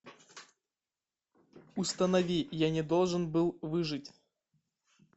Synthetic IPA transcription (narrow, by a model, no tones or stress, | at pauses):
ust̪ɐnɐvʲijanʲɪd̪olˠʐɨnbɨlˠvɨʐɨtʲ